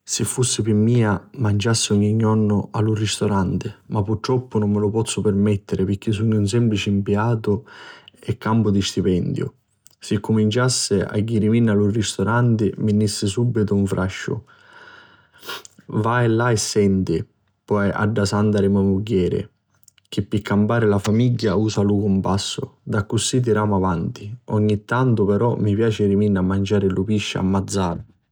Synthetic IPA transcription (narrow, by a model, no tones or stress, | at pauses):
sɪfːusːɪpɪmːiːamand͡ʒasːɪɔɲːiɲːɔnːʊalːurːist̪oɾant̪ɪmapːuɾt̪ːɾɔpːʊnʊmːɪlʊpɔt̪sːʊpɪɾmɛt̪ːɪɾɪpɪɾk̟ːis̬uɲːuns̬ɛmplit͡ʃɪimpiaːt̪ʊ | ɛkːampʊd̪ist̪ipɛnd̪jʊ̰ | sɪkːʊmint͡ʃasːɪa̰ɡːiɾiminːalurːist̪oɾant̪ɪmɪnːisːɪsubːit̪ʊuɱfɾʔaʃːʊ̰ | vaɛlaɛsːɛnt̪ɪ | pɔja̰ɖːasand̪aɾɪmamuɟːɛːɾɪ̰ | k̟ɪpːɪkːampaːɾɪlafamiɟːauːsalukumpasːʊ̰d̪akːusːit̪̬iɾaːmavant̪iɔɲːit̪ːant̪ʊpɛɾɔmːipjaːt͡ʃɪɾiminːamːand͡ʒaːɾɪlupiʃːa̰a̰mːad̪zːaːɾ